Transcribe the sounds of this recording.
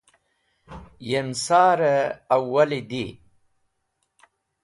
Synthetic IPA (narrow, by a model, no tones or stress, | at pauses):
jemsɑːɾəawːalid̪i